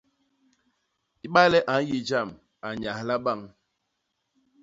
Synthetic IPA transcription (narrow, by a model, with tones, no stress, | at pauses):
i˦ɓa˦jlɛ˦ʔa˨n˦ji˨d͡ʒa˦˨m | a˨ɲa˨hla˦ɓa˦˨ŋ